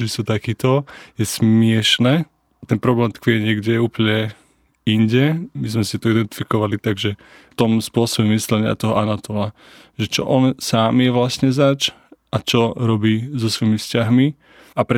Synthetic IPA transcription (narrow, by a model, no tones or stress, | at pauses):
isuːt̪akiːt̪ɔjɛsmɪɛʃnɛː | t̪ɛnpɾɔblɛːmt̪kʋijɛɲɪɛɡɟɛjɛuːpl̩ɲɛ | inɟɛmizmɛsit̪ɔid̪ɛnt̪i̥fikɔʋalit̪aɡʒɛ | ft̪ɔmspʊɔsɔbɛmislɛɲɪa̰t̪ɔɦɔʔanat̪ɔla | ʒɛt͡ʃɔ̰ʔɔnsaːmjɛʋlasɲɛzat͡ʃ | ʔat͡ʃɔɾɔbiːzɔsʋɔimifscaɦmi | apɾɛ